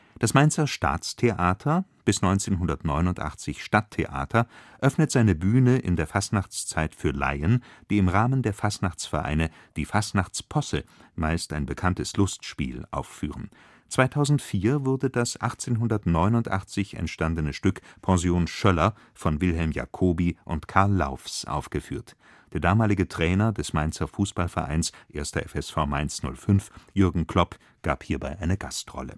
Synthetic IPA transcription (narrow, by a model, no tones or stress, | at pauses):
d̥asmaɪnt͡sɐʃta̰ːt͡stʰeʔaːtʰɐb̥ɪsnɔʏnt͡seːnɦʊndɐtnɔʏnʊntʔa̰χt͡sɪçʃtatʰːḛʔa̰ːtʰɐʔœfnətz̥aɪnəbyːnəʔɪ̰ndeːɐfastnaχt͡st͡saɪtfyːɐla̰ɪənd̥iːɪmʁaːməndeːɐfastnaχt͡sfɛɐʔa̰ɪnə | d̥iːfastnaχt͡spʰɔsə̰maɪstaɪnbəkʰantəslʊstʃpḭːlʔa̰ʊfːy̰ːʁən̩ | t͡sv̥aɪtʰaʊzn̩tfiːɐvʊʁɐdədasʔa̰χt͡seːnɦʊndɐtnɔʏnʊntʔa̰χt͡sɪçɛ̰ntʃtandənəʃtʏkpʰɑ̃zjoːnʃœlɐ | fɔnvɪlɦɛlmja̰kʰoːbiʔʊntkʰaɐlːa̰ʊfsʔa̰ʊfɡ̥əfyːɐt | d̥eːɐdaːmaːlɪɡətʁ̥ɛːnɐdɛsmaɪnt͡sɐfuːsb̥alfɛɐʔa̰ɪnsʔeːɐstɐʔɛfɛsfaʊmaɪnsnʊ̰lfʏnfjʏɐɡŋ̩kʰl̥ɔp | ɡ̥aːphiːɐbaɪʔaɪnəɡastʁɔ̰lə̰